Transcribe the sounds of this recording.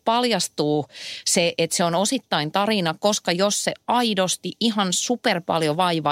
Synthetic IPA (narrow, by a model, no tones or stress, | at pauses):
pɑljɑst̪uːseʔet̪seonosit̪ːɑint̪ɑrinɑkoskɑjosseɑidost̪iʔiɦɑnsuperpɑ̰ljoʋɑiʋɑ